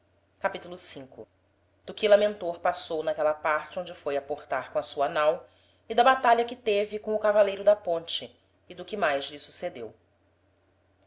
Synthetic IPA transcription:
kapit̪ulʊsĩŋkʊ | d̪̥ʊkɪlamẽnt̪oɾpasownɐkɛlɐpaɾt͡ʃɪõnd͡ʒɪfojapoχt̪aɾkõɐsuɐnaw | ɪd̪ɐbat̪aʎɐkɪt̪evɪkõw̃ʊkavalejɾʊd̪ɐpõnt͡ʃɪː | d̪ʊkɪmajʒlɪsu̥sed̪ew

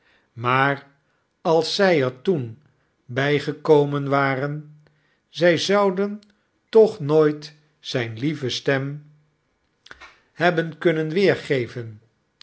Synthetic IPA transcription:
maːɹ | ɑlˠsːɛjɛɹtun | bɛjχəkowmənʋaːrən | zɛjzɑwdən | tɔχnoːjt | z̥ɛjnlivəstɛm | ɦɛbənkɵnənʋɪːɹχejvən

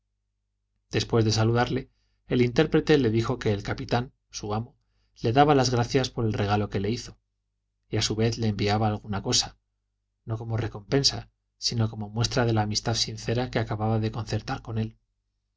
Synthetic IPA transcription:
d̪̥e̞spwe̞zðe̞saluðaɾle̞ː | lint̪e̞ɾpɾe̞t̪e̞le̞ðixo̞ke̞ːlkapit̪an | suamo | le̞ðaβalazɣɾaθjaspo̞ɾe̞lre̞ɣ̞alo̞ke̞leiθo̞ | iasuβe̞θle̞ːmbiaβaːlɣ̞unako̞sa | no̞ko̞mo̞re̞ko̞mpe̞nsa | sino̞ko̞mo̞mwe̞st̪ɾaðe̞laːmist̪aðsinθe̞ɾake̞akaβaβaðe̞ko̞nθe̞ɾt̪aɾko̞ne̞l

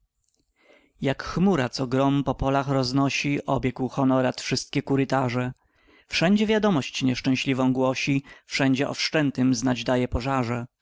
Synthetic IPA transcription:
jakxmuɾat̪sɔɡɾɔmpɔpɔlaxɾɔznɔɕiʔɔbʲjɛkwxɔnɔɾat̪fʂɘst̪̚kʲɛkuɾɘt̪aʐɛ | fʂɛɲd͡ʑɛvʲjad̪ɔmɔɕt͡ɕɲɛʂt͡ʂɛ̃w̃ɕlʲivɔ̃w̃ɡwɔɕifʂɛɲd͡ʑɛʔɔ̰fʂt͡ʂɛnt̪ɘmznad͡ʑd̪ajɛpɔʐaʐɛ

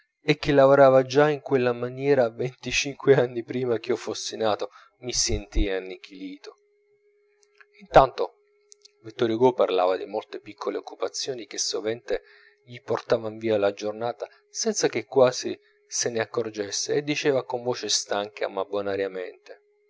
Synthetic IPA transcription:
ek̟ːelːavoɾaːvad͡ʒaiŋkwelːamanjɛːɾavent̪it͡ʃiŋkweanːipɾiːmak̟iɔfosːinaːt̪o | misent̪ianːik̟ʰiliːt̪o | int̪ant̪o | vit̪ːɔːɾjoɡoparlaːvad̪imolt̪epikʰːoleokːupat̪sːjɔːnik̟esːovɛnt̪e | ʎiport̪aːvaiɱviːalad͡ʒornaːt̪a | sɛnt̪sak̟ekːwaːzi | seneakːord͡ʒesːeːd̪ːit͡ʃeːvakoɱvoːt͡ʃest̪aŋkʰa̰mabonaɾjament̪e

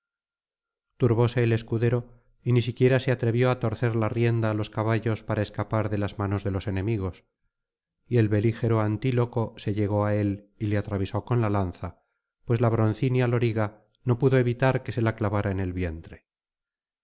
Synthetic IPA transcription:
t̪uɾβo̞se̞ːle̞skuðe̞ɾo̞ | inisikje̞ɾase̞at̪ɾe̞βjo̞at̪o̞ɾθe̞ɾlarje̞nd̪aːlo̞skaβ̞aʎo̞spaɾae̞skapaɾðe̞lazmano̞zðe̞lo̞se̞nẽ̞miɣ̞o̞s | ie̞lβe̞lixe̞ɾoant̪ilo̞ko̞se̞ʎe̞ɣ̞o̞ae̞lile̞at̪ɾaβ̞iso̞ko̞nlalanθa | pwe̞zlaβɾo̞n̟θinjalo̞ɾiɣa | no̞puðo̞e̞βit̪aɾke̞se̞laklaβaɾaene̞lβje̞nt̪ɾe̞

